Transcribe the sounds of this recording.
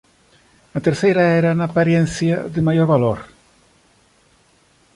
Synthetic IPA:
at̪eɾθejɾaeɾanaːpaɾjenθjaðemajoɾβaloɾ

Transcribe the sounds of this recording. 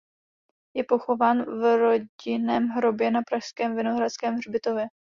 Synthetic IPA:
jɛpo̞xo̞vaːnvɾo̞ɟɪnɛːmɦɾo̞bjɛnapɾaʃskɛːmvɪnoɦɾat͡skɛːmrbɪt̪o̞vjɛ

